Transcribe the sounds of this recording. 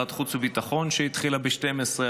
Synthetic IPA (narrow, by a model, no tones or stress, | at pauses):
at̪χut͡suvit̪aχo̞nʃeit̪χilabeʃtemesʁe